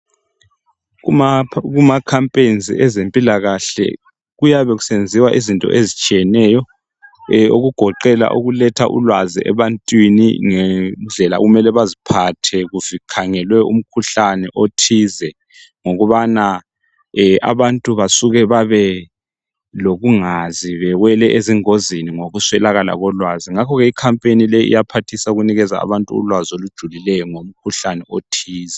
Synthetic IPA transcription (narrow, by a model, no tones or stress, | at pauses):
ɣumakʰampʼend͡zʱḭʔɛzempʼilaɣaɬɛ̰ | ɣujaβɛɣusend͡zʱiwaʔizintʼɔ̰ʔezit͡ʃʼijɛnɛːjɔ | oɣuɡ̥ʱɔǃɛla̰ʔo̰ɣulɛtʰaʔṵlwazḭʔɛ̰βantʼwinḭŋɛnd͡ɮʱɛla̰ɣumɛlɛβazipʰatʰɛɣuvikʰaŋɛlwɛṵm̩kʰuɬanɛʔotʰizɛ | ŋoɣuβana | ɛʔa̰βantʼuβasuɣɛβaβɛ | loɣuŋaziβɛɣwɛlɛʔeziŋoziniŋoɣuswɛlaɣala̰ɣɔlwaziŋakʰɔɣɛikʰampʼenilɛḭjapʰatʰisauɣuniɣɛza̰a̰βantʼuṵlwazolud̥ʒ̥ʱulilɛjɔŋom̩kʰuɬanɛʔotʰiːzɛ